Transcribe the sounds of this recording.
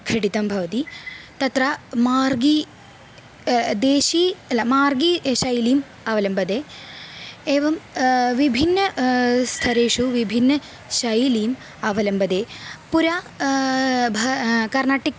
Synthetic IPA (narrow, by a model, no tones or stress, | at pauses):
kʰɾiɽit̪ɐmbʱɐʋɐt̪it̪ɐt̪rɐmaːrɡi | d̪eːɕiɐlɐmaːrɡiɕɐjlim | ɐʋɐlɐmbɐd̪eː | eːʋɐmʋibʱinːɐst̪ʰɐɾeːʂuʋibʱinːɐ | ɕɐjilijm | ɐʋɐlɐmbɐd̪eːpuɾaː | bʱɐkɐrnaːʈːik